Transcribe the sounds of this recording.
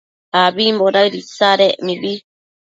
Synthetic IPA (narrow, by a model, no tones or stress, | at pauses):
abimbɔdaidisaɾɛʔmibi